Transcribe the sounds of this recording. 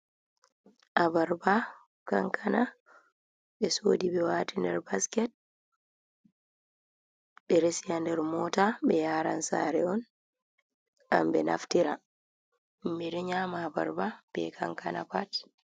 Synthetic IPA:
ʔabaɾba | kaŋkʰana | ɓɛsoːdibɛwatindɛɾbaskɛt̚ | ɓɛɾesijandɛɾmɔtaɓɛjaːɾa̰nsa̰ɾɛ̰ɔn | a̰mbɛna̰ftiɾa̰ | miɾɛɲaːmaːba̰ɾbab̥ɛ̰kʰaŋkʰana̰pat

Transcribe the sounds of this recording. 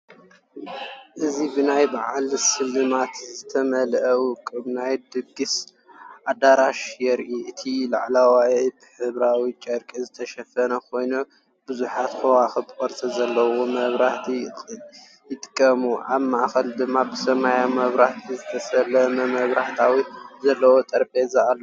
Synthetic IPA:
ʔɨzibɨnajbaʕalsɨlːɨmat̪zɨt̪ʰɐmɐlʔɐwkʼːɨβnajd̪ɨɡɨs | ʔad̪aɾaʃjɛɾʔiʔɨt̪ʰilaʕlawajibɨħɨβɾawit͡ʃʼɐɾkʼizɨt̪ʰɐʃɐfɐnɐkʰo̞jno | b̥ɨzuħat̪kʰowaxɨbɨkʼɐɾt͡sʼɐzɐlːɐwomɐβɾaht̪ʰi | jɪt̪ʼɨ̥kʼːɐmuʔaβmaʔxɐld̪ɨmːabɨsɐmajamɐβɾaht̪ʰizɨt̪ʰɐsɐlːɐmɐmɐβɾaħt̪ʰawizɐlːɐwot̪ʼɐɾpʼezaʔalːo

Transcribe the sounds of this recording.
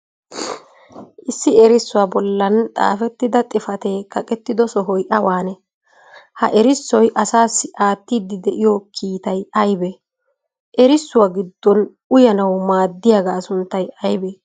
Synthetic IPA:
ʔɪsːɪɛɾɪsːʊwabɔlːɐnt̪ʼa̰ːfɛt̪ːɪd̪ɐt̪ʼɪfɐt̪e̞ːkɐkʼɛt̪ːɪd̪ɔsɔɦɔjʔɐwaːnɛ | hɐ̰ʔɛɾɪsːɔjʔɐsaːsːɪʔaːt̪ːiːd̪ːɪd̪ɛʔɪjɔkʰiːt̪ɐjɐjbɛ | ʔɛɾɪsːʊwaɡɪd̪ːɔn | ʊjɐnɐwmaːd̪ːɪjaɡaːsʊnt̪ːɐjɐjbɛ

